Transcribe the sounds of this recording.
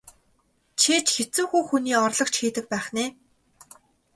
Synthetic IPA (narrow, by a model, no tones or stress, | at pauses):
t͡ɕʰeːt͡ɕxet͡sɘ̆ŋxuːxuniːɔrɮɞ̆kt͡ɕxiːt̪ɘ̆k̚pæːχneː